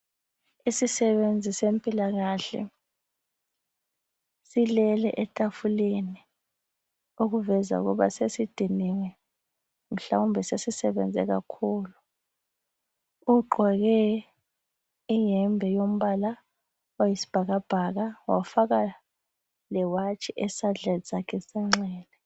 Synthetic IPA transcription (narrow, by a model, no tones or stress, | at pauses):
isisɛɓend͡zʱisempʼilaɣ̬aɬɛ̰ | silɛlɛ̰ʔɛtʼafuleni | uk̬uvɛza̰ṵɣ̬ɔ̰ɓasesid̥ʱiniŋɛ | m̩ɬa̰umbʱɛsesisɛɓɛ̰nd͡zʱɛ̰ka̰kʰuːlu | uɡ͡ǃʱɔɣɛ | ijɛmbʱɛjom̩βala | ojisi̥b̥ʱaɣab̥ʱaɣawa̰faɣa | lɛwat͡ʃʰʼiʔɛsaɮazakʰɛsɛŋ͡ǁɛːlɛ